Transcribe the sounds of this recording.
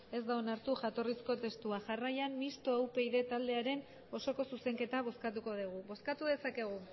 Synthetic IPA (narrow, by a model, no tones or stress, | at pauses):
e̞zd̪aonaɾt̪uʝat̪o̞risko̞t̪e̞st̪uaʝarajammist̪o̞awpe̞iðet̪ald̪e̞aɾe̞n | o̞so̞ko̞suse̞ŋke̞t̪aβ̞o̞skat̪̬uko̞ðiɣ̞uβo̞skat̪uðe̞sake̞ɣ̞u